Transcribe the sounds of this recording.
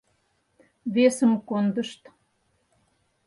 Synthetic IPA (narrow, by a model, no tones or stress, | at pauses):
βesəmkond̪əʃt̪